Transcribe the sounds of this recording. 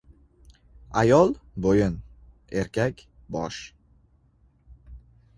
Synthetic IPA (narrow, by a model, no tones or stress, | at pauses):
ajɒlˠbojɪn | e̞ɾkʲʰakʲ | bɒʃ